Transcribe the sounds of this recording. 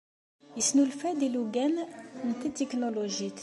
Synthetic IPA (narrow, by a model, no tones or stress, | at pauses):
jəsnulfæd̪iluɡænnt̪æt̪iknoloʒit̪